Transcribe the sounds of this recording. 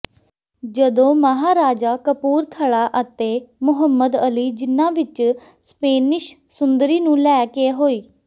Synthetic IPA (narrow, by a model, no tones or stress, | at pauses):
d͡ʒəd̪õːməɦaːɾaːd͡ʒaːkəpuːɾt̪ʰəɭaːʔət̪eːmʊɦəmːəd̪əliːd͡ʒɪnãːʋɪt͡ʃ | speːnɪʃ | sʊnd̪əɾiːnũːlɛːkeːɦoːiː